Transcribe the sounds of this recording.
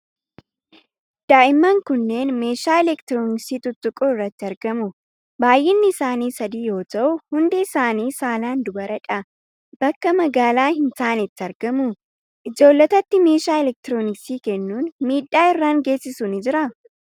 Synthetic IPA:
d̪̥aːʔɪmːɐŋkʊnːe̞ːnme̞ːʃaːɛlɛkt̪ɪɾoːnɪksiːt̪ʊt̪ːʊkʼoːɪrːɐt̪ːɪɐɾɡɐmʊ | baːjʔɛnːɪːsaːniːsɐd̪iːjo̞ːt̪ɐʔʊhʊnd̪ɪːsaːniːsaːlaːnd̪ʊbɐɾɐᶑʼɐ | b̥ɐkːɐmɐɡaːlaːhɪnt̪aːnɪt̪ːɪɐɾɡɐmʊ | ʔɪd͡ʒo̞ːlːɐt̪ɐt̪ːɪme̞ːʃaːɛlɛk̚t̪ɪɾoːnɪksiːkɛnːuːnmiːᶑːaːɪrːaːŋɡe̞ːsːɪsuːnɪd͡ʒɪɾɐ

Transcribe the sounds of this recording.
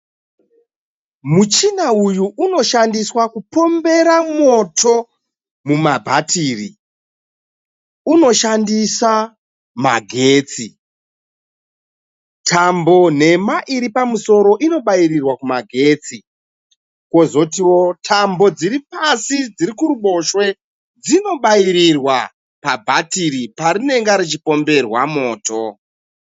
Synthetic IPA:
mut͡ʃinaujuʔːno̞ʃandiswakupo̞mbe̞ɾamwo̞tʰo̞ | mumabʱatiːrḭ | uno̞ʃandisa | ma̰ɡʱe̞ːt͡si | tʰambo̞n̤e̞maʔiɾipamuso̞ɾo̞ʔino̞ɓajiɾirwakumaɡʱe̞ːt͡si | kwo̞zo̞tiwo̞tʰambo̞d͡ziɾipasid͡ziɾikuɾuɓo̞ʃwe̞ | d͡zino̞ɓaiɾirwa | pabʱatiɾipaɾine̞ŋɡaɾit͡ʃipo̞mbe̞rwa̰mo̞ːto

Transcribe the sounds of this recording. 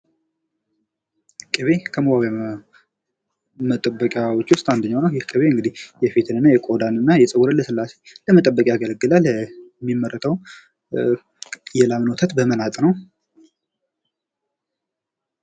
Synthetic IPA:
kʼɨβe̞kʰəməbaw | mət̪ʼəbːəkʼjawot͡ʃːwʊst̪ʼand̪əɲːawnəwjɪhkʼɨβeɨŋɡɨd̪ihjɛfet̪ʰɨnɨnːajɛkʼod̪anɨnːajɛsʼɨwuɾəlːəsɨlːase̞ləmət̪ʼəbːəkʼjaɡələɡːɨlalmːimːəɾːət̪ʰəw | jɛlamnot̪ʰət̪bəmənat̪ʼnəw

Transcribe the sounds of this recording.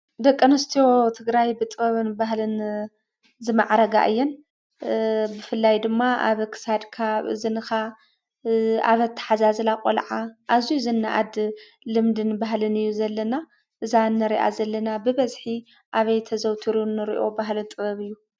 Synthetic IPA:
d̪ɐkʼːɐnɨst̪ʰijot̪ʰɨɡɾajbɨt̪ʼɨβɐβɨnbaɦlɨn | zɨmaʕɾɐɡa̰ʔɨ̰jːɛn | bɨfɨlːajd̪ɨmːaʔa̰βkʰɨ̥sad̪kʰaβɨ̰zinɨxa | a̰βɐt̪ʰːɐ̥ħazazɨlakʼolʕaʔazijzɨnːa̰ʔad̪ | lɨmd̪ɨnbaɦlɨnɨjːuzɐlːɐna | ʔɨzanːɨɾiʔa̰zɐlːɐnabɨβɐzħi | ʔaβɐjt̪ʰɐzɐwt̪ʰiɾunːɨɾḭʔo̞baɦlɨt̪ʼɨβɐβɨjːu

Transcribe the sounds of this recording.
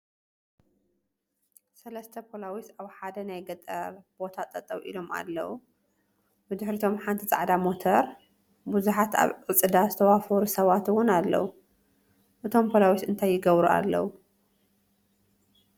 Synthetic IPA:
sɐlɐst̪ʰɐpʰolawisaβħad̪ɐnajɡɐt̪ʼɐ̰ɾb̥o̞t̪ʰat̪ʼɐt̪ʼɐβʔḭlo̞ma̰lːɐ̰wu | bɨd̪ɨħɾit̪ʰo̞mħant̪ʰit͡sʼa̰ʕd̪amo̞t̪ʰɐɾ | buzuħat̪ʰa̰βʔɨt͡sʼɨd̪azɨt̪ʰɐwafoɾusɐβat̪wʊnalːɐ̰wu | ʔɨt̪ʰo̞mpʰolawisɨnt̪ʰajːɪɡɐβɾuʔa̰lːɐ̰wu

